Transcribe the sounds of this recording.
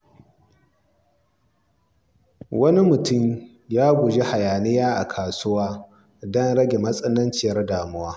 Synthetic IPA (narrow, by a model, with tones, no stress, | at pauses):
wɐ˦ni˦mʊ˨tʊ˦m | jaː˦ɡʷʊ˨d͡ʒe˦ha˨jaː˨nɪ˦jaː˦ʔa̰˨kʰaː˨sʊ˦waː˦ | dɔ˦nɽɐ˦ɡʲe˨mɐ˦sʼɐ˦nɐ˦nt͡ʃɪ˨jɐ˦rdaː˨mʊ˦waː˦